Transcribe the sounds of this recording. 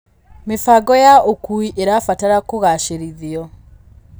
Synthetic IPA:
mefaɡɔjaokuiʔeɾafataɾakoɣaʃeɾiðiɔ

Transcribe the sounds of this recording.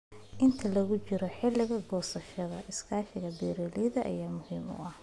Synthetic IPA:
ʔɪnt̪ʰɐlɐɣʊt͡ʃɪɾɔħɪlɪɣɐɡɔːsɐʃɐðɐʔɪskʰaːʃɪɣɐbɛːɾɛːliðɐʔɐ̰jaːmʊhiːmʊ̰ɐh

